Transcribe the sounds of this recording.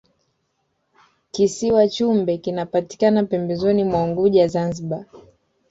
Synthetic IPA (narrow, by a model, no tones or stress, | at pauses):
kisiwat͡ʃumbɛkinapati̥kanapɛmbɛzɔnimwauŋɡuʄazanziɓa